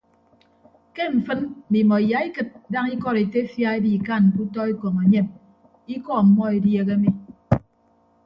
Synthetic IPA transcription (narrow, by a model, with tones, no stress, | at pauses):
ke˦ɱ̩˨fɨ˦n̩˨mi˨mɔ˨i˨ja˨˦i˦kɨ˨t̚da˦ŋi˦kɔ˦ɾe˨te˦fja˦e˦bi˦˨ka˦˨n˨ku˦tɔ˦e˦kɔ˨ŋe˨ɲe˦˨m | i˦kɔ˦˨m̩˨˦mɔ˦e˨dje˦ɣe˦mi˦